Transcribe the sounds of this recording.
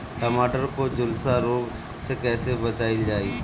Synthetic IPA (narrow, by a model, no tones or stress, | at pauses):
ʈəmaːʈəɾkod͡ʒʊlsaɾoːɡ | sekɛːsebət͡ʃaːɪld͡ʒaːiː